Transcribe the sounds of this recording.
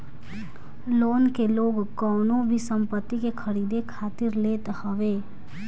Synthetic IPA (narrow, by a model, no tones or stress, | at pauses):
loːnkeloːɡkɔːnõbʱisə̃mpət̪ːikekʰəɾiːd̪ekʰaːt̪ɪɾleːt̪həʋeː